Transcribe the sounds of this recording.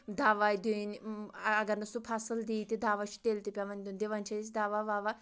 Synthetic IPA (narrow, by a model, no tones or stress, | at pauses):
d̪aʋajd̪ʲunɐɡɐɾnɐsupʰasɨld̪iːt̪id̪aːʋat͡ʃʰu̥t̪elt̪ipʲaʋɐnʲd̪unʲd̪eʋant͡ʃʰasʲd̪aːʋaʋaːʋa